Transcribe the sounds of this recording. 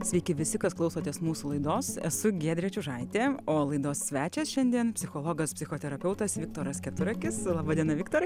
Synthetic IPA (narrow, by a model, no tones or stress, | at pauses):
sʲʋʲɛɪkʲɪʋʲɪsʲɪkɐsklˠɐʊsoːt̪ʲeːsmuːsulˠɐɪd̪oːsɛ̰sʊɡʲeːd̪ʲɾʲiɛt͡ʃʲuʒɐɪt̪ʲeːoːlˠɐɪd̪oːsːʲʋʲæːt͡ʃʲɛːsʃʲɛnʲd̪ʲiɛnpʲsʲɪxoːlˠoːɡɐspʲsʲɪxoːt̪ʲɛɾɐpʲɛʊt̪ɐsʋʲɪk̚t̪oːɾɐskʲɛt̪ʊɾɐkʲɪslˠɑːbɑːd̪ʲiɛnɐʋʲɪkt̪oːɾ